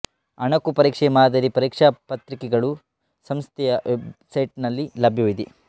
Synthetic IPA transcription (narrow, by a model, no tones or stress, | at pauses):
ɐɳɐkupɐɾiːkʂɛmaːd̪ʱɐɾipɐɾiːkʂapɐt̪ɾikɛɡɐɭu | sɐmst̪ʰɛjɐʋebsɐjʈnɐlːilɐbʱjuʋid̪ḭ